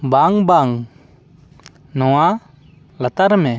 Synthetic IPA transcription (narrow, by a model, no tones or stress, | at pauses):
baŋbaŋ | nɔwa | lat̪aɾmɛ